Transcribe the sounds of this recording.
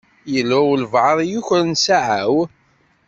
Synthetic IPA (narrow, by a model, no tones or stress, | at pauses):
jəlːæwlvʕəðˤjuçɾnsaʕaw